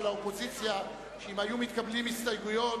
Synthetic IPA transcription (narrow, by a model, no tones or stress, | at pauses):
laopo̞zit͡sja | ʃeimajumit̪kablimist̪ajɡujo